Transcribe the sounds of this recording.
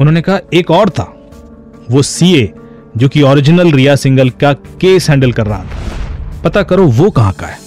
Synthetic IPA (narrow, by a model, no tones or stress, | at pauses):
ʊnɦõːnekɐɦaeːkɔːɾt̪ʰa̰ː | ʋoːsie | d͡ʒoːkiɔːɾɪd͡ʒɪnəlɾijasɪ̃ŋɡəlkakeːsɦɛ̃ːɳɖəlkɐɾːɐɦat̪ʰḁpɐt̪akɐɾoʋoːkɐɦã̰ka̰ɦɛː